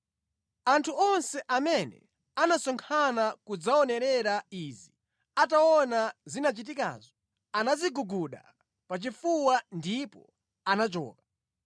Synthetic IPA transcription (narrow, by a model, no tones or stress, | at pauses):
antʰuɔnsɛʔamɛnɛ̰ | anasɔŋkʰanakud͡zaɔnɛɾɛɾaizi | ataɔnazinat͡ʃit̬ika̰ːzɔ | anaziɡuɡuɗa̰ | pat͡ʃifuwandipɔ̰ | anat͡ʃɔ̰ːkḁ